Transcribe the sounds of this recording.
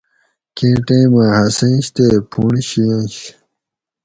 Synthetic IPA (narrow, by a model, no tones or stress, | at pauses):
kẽːʈẽːmãɦɐsẽːɕt̪epʰuːɳiɕiãːɕ